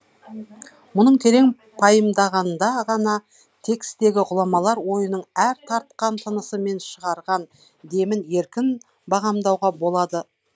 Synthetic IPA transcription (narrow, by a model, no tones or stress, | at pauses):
mʊnəɴtʲʰe̞ɾe̞ŋ | pʰɑjəmd̪ɑʁɑnd̪ɑʁɑnɑ | t̪ʰe̞kst̪e̞ɡʲɪʁʊlˠɑmɑlˠɑɾwo̞jənəɴæɾt̪ʰɑɾt̪̚qɑnt̪ʰənəsəme̞nʃəʁɑɾʁɑn | d̪e̞mɪnje̞ɾkʲɪn | bɑʁɑmd̪ɑwʁɑbo̞lˠɑd̪ə